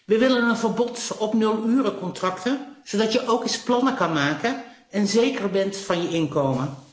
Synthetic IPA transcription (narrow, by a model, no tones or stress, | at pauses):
ʋəʋɪlənənvəɹbɔtɔpnɵlˠyːrəkɔntrɑktəz̥owdɑtjəʔowkisplɑnəkɑnmaːkən | ɛnzejkəɹbɛntfɑnjəɪnkowmən